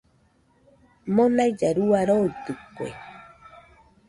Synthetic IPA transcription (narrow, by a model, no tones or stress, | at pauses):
mõnaid͡ʒaɾuaɾoit̪ɨkʷḛ